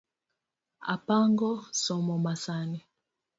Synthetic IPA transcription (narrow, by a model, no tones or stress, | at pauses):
a̰paŋɡɔsɔmɔmasani